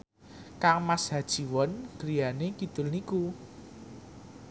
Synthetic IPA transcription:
kaŋmasɦad̥ʒ̥i̤wɔnɡ̥ɾijanekid̪̥ʊ̤lniku

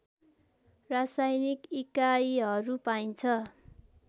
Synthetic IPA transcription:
rasajnikikaiɦʌɾupajnt͡sʰʌ

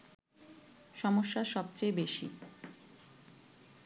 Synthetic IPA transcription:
ʃɔmoʃːaʃɔbt͡ɕejbeʃḭ

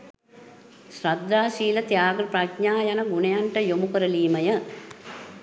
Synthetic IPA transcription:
ʃɾɐd̪ːaːʃiːlɐt̪jaːɡɐɾpɾakɲaːjɐnɐɡʊnɐjaɳʈɐjomukɐɾɐliːmɐjɐ

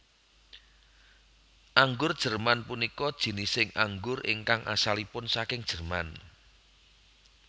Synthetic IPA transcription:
ʔaŋɡʊrd̥ʒ̥ə̤rmanpunikɔd̥ʒ̥i̤nisɪŋʔaŋɡʊrʔɪ̰ŋkaŋʔa̰salipʊnsakɪŋd̥ʒ̥ə̤rman

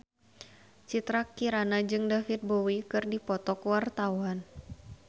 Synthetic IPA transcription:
t͡ʃit̪ɾakiɾanad͡ʒɨŋdafit̪̚bowikɨrdipɔt̪ɔkwart̪awan

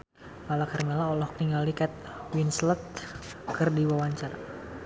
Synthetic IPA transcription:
malakarmɛlaɔlɔhkniŋalikɛt̪̚ | winslət̪̚ | kərdiwawaɲt͡ʃara

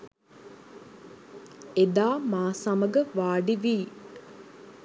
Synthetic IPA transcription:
ed̪aːmaːsaməɡəʋaːɖiʋiː

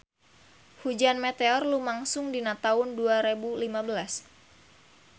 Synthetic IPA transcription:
hud͡ʒanmet̪eɔrlumaŋsʊŋdinat̪aʊnduaɾebulimabəlas

